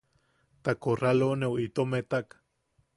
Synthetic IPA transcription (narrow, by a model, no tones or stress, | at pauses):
t̪akoralonewit̪omet̪ak